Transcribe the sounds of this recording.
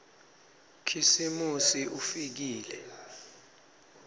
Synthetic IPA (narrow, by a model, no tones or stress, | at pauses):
kʰisimusiʔufik̬iːlɛ